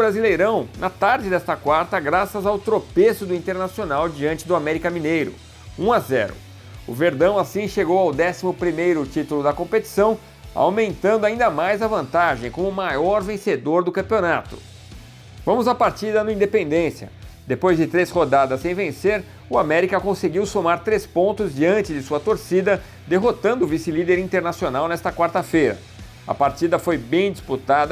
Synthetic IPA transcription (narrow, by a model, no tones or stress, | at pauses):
ɾazilejɾɐ̃w̃nʔɐt̪aɾd͡ʒɪd̪ɛst̪ɐkwaɾt̪ɐɡɾasɐzawt̪ɾopesʊd̪ʊĩnt̪eɾnasionawd͡ʒiɐ̃nt͡ʃɪd̪ʊamɛɾikɐmĩnejɾʊ̰ | ũazɛ̰ɾʊ̰ | ʊ̰veɾd̪ɐ̃w̃asĩʃeɡowawd̪ɛsimʊpɾimejɾʊt͡ʃit̪ʊlʊd̪ɐkõpet͡ʃi̥sɐ̃w̃ | a̰wmẽnt̪ɐ̃nd̪ʊaĩnd̪ɐmajzɐvɐ̃nt̪aʒẽj̃kõmʊmajɔɾvẽsed̪oɾd̪ʊkɐ̃mpionat̪ʊ̥̰ | vɐ̃mʊzapaɾt͡ʃid̪ɐnʊĩnd̪epẽnd̪ẽsiɐ̰ | d̪epojzd͡ʒɪt̪ɾeshod̪ad̪ɐssːẽj̃vẽseɾ | ʊamɛɾikɐkõseɡiwsomaɾt̪ɾespõnt̪ʊzd͡ʒiɐ̃nt͡ʃɪd͡ʒɪsuɐt̪oɾsid̪ɐ | d̪eɦot̪ɐ̃nd̪ʊːvisilid̪eɾĩt̪eɾnasionawnɛst̪ɐkwaɾt̪ɐfejɾɐ̰ | ɐ̰paɾt͡ʃid̪ɐfojbẽj̃d͡ʒisput̪ad̪ɐ